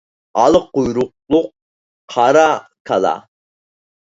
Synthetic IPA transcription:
ɑlˠqujɾʊq̚lˠʊq̚ːʰ | ɑɾɑkʰɑlɑ̰

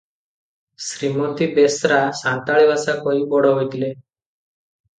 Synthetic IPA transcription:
sɾimɔnt̪ibesɾasãnt̪aɭibasakɔibɔɽɔɦojt̪ile

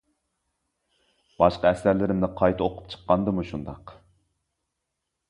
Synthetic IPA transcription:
b̥ɑʃqɑɛsæɾlɪɾɪmnɪqʰɑjt̪ʰɨoqʰʊ̥p̚t͡ʃʰə̥qːɑnd̪ɨmuʃund̪ɑq

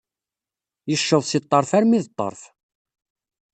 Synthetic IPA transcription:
jəʃːəðˤsit̪ˤːəɾˤfæɾmiðt̪ˤːə̰ɾˤf

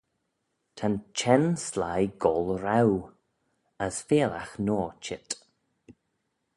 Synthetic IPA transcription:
tʰant͡ʃʰɛnslajɡɔlˠɾaw | əsfeːla̰xnɔːt͡ʃɪt

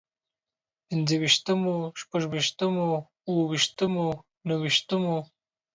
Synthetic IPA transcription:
pɪnzəwiʃt̪əmoʃpaʒwiʃt̪əmo | uwəwiʃt̪əmo | nawiʃt̪əmo

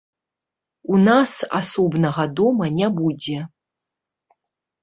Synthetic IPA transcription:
unasa̰sɔbnɐɣɐd̪omɐnʲabud͡zʲe

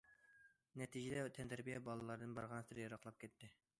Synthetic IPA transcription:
nɛt̪ʰid͡ʒɛd̪ɛt̪ʰɛnt̪ʰæɾbijɛbɑlˠɨlˠɑɾd̪ɨnbɑɾʁɑnsɨɾɪjɑɾɑqlˠɑp̚kʲʰɛt̪ːɪ

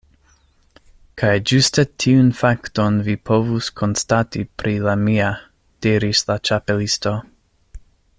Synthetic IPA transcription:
kʰajd͡ʒustetʰiunfakto̞nvipʰo̞vuskʰo̞nstatipɾilamia | d̥iɾislat͡ʃapelisto̞

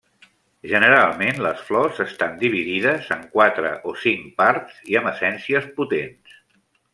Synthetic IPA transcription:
ʒənəɾalˠmenləsflɔzəst̪and̪iβ̞iðiðəzəŋkwat̪ɾə̰ʔosiŋpaɾt̪z̥iəməsɛnsiəsput̪ens

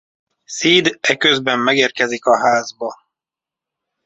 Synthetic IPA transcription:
siːd̪ɛkøzbɛmːɛɡeːrkɛzikɒɦaːzbɒ

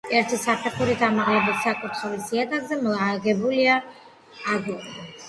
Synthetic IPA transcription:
ɛɾt̪ʰisapʰɛχuɾit̪ʰamaʁlɛbisːakʼut̪ʰχilisiɛt̪ʼaɡzɛmɔlaɡɛbuliaː | ɡɔɾ

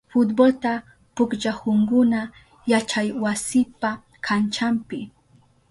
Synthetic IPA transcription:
fʊt̪bolt̪a | pʊkd͡ʒahʊŋɡʊna | jat͡ʃajwasɪpa | kʰant͡ʃampɪ

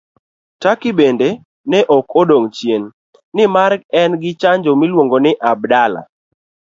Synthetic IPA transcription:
takɪbende | nɛʔɔkodoŋt͡ʃjenː | ɪmarkɛnɡɪt͡ʃaɲd͡ʒomilwoŋɡonɪʔab̚dala̰

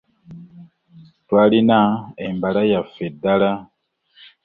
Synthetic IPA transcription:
twalinaembalajafedala

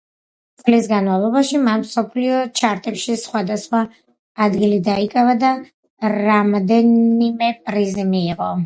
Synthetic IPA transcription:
t̪sʼlisɡanmavlˠɔbaʃimanmsɔpʰliɔt͡ʃʰaɾt̪ʼɛpʃisχwad̪asχwaː | d̪ɡilid̪aikʼavad̪a | ɾamd̪ɛnimɛpʼɾizimiːʁɔ

